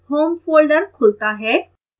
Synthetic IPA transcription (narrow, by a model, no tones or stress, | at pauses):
hoːmfolɖəɾkʰolt̪aɦɛ